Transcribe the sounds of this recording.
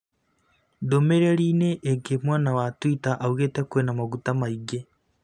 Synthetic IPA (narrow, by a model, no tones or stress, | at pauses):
domeɾeɾiːneʔːɡemwaːnawatwitaʔauɣetekuenamaɣutamaiɡe